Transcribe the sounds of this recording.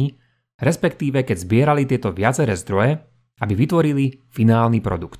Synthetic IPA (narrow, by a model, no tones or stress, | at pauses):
i | ɾɛspɛkt̪iːʋɛkɛɟzbɪɛɾalit̪ɪɛt̪ɔʋɪat͡sɛɾɛːzd̪ɾɔjɛ | abiʋit̪ʋɔɾilifinaːlnipɾɔ̰d̪ukt̪